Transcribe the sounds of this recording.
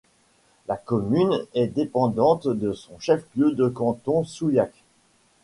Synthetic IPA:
lakɔmynɛd̪epɑ̃d̪ɑ̃t̪d̪əsɔ̃ʃɛfljød̪əkɑ̃t̪ɔ̃sujak

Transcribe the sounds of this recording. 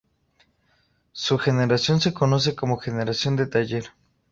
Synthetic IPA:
suxeneɾasjo̞nse̞konos̬eko̞moxeneɾasjo̞nd̪et̪aʝeɾ

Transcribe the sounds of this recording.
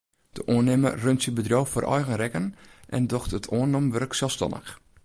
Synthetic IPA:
d̥əʔoənɪmə̰røntsibədroːfo̰rʔɔ̰jɣənrɛkənʔɛ̰ndɔxtətʰoənomʋørksɛlˠfstɔ̰nə̰x

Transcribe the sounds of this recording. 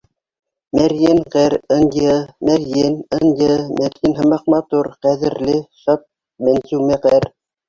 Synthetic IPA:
mæɾjɘnqɘɾɤ̆ndʲɤmæɾjenɤndɤmæɾjɘnɦɤ̆mɑq̚mɑt̪uɾqæðɘ̆ɾlɘʃɑp̪̚ | mænsʉwmæqæɾ

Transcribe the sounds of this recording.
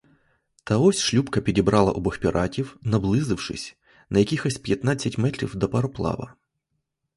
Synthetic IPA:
t̪ɐɔsʲʃlʲupkɐpʲidʲibɾʔɑlˠɐ̰ʔɔbɔxʲpʲiɾʔɑtʲiwnɐblˠɪzɪwʂɪ̰sʲ | nɐjɐkʲixɔsʲpʲjɐt̪nɑt͡sʲːɐtʲmɛt̪ɾʲḭwd̪ɐpɐɾɔplˠɑ̰ʋɐ̰

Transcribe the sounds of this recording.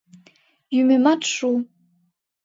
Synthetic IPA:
jymematʰʂu

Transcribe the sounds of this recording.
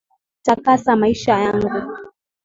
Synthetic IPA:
takasamaiʃajaŋɡu

